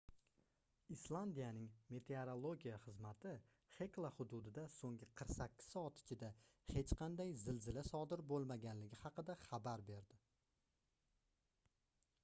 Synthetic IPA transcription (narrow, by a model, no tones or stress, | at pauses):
islˠand̪ijanɪŋme̞t̪ʰe̞aɾolˠoɡʲijaχɨzmat̪ʰɪ | χe̞klˠahʊd̪ʊd̪ɪd̪asoŋɡʲɪqʰɨɾqsakʲʰːɪ̥sɒt̪ɪ̥t͡ʃʰɪd̪ahe̞t͡ʃqʰɑnd̪ajzɪlzɪlasɒd̪ɪɾbolˠmaɡʲanlɪɡʲɪhɑqɨd̪aχabaɾbe̞ɾd̪ɪ